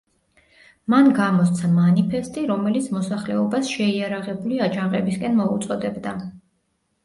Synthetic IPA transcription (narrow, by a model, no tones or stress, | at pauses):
manɡamɔst̪sʰamanipʰɛst̪ʼiɾɔmɛlit̪sʰmɔsaχlɛɔbasʃɛiaɾaʁɛbuliad͡ʒaŋʁɛbiskʼɛnmɔut̪sʼɔd̪ɛbd̪a